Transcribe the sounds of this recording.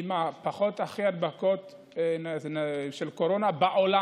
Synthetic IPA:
imapaχo̞t̪aχiad̪bakot̪ | nʃelkoɾo̞nabaʔola

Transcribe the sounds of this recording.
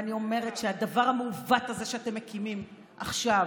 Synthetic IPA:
nio̞me̞ʁe̞tʃead̪avaʁhameuvathaze̞ʃeate̞mːekimim | ʔaχʃav

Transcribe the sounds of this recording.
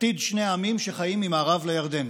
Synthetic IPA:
t̪id̪ʃneamimʃeχajimːimaːʁavlejaʁd̪e̞n

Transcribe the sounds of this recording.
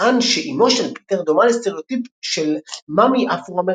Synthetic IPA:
anʃeʔimoʃanpi̥t̪eʁd̪omalst̪eʁiot̪ipʃelmamiʔafuʁame

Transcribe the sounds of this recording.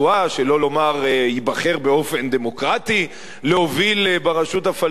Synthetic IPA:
uaʃe̞lo̞lo̞maʁibɐχe̞ʁbeo̞fe̞nd̪emo̞kʁat̪i | leho̞vilbaʁaʃutafa

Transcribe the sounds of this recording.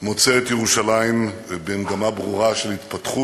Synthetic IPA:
mo̞t͡seet̪jeʁuʃalaimbemɡamabʁuʁaʃelhit̪pat̪χu

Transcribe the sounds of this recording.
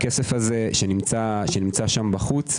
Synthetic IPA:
kesefaze̞ʃenimt͡saʃenimt͡saʃambaχut͡s

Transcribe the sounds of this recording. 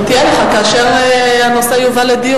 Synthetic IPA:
t̪ijeleχakaːʃeʁhanoseajuvaled̪i

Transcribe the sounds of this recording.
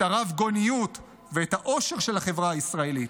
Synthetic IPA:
aʁavɡo̞nijut | veetaʔo̞ʃe̞ʁʃe̞lhaχe̞vʁaaisʁae̞lit

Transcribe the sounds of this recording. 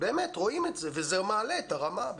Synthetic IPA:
be̞ːmet̪ʁo̞imetzevezemaːleːtaʁamab

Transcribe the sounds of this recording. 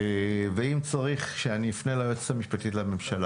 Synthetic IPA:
veimt͡saʁiχʃeaniːfnelajot͡se̥tamiʃpat̪itlame̞mʃala

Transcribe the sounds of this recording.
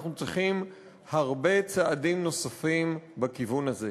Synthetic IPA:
χnut͡siχim | haʁbe̞t͡saadimno̞safimbakivunaze

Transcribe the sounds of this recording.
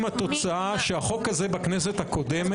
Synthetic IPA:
mat̪o̞t͡saʔaʃeaχo̞kaze̞baknes̬e̞t̪hako̞d̪em

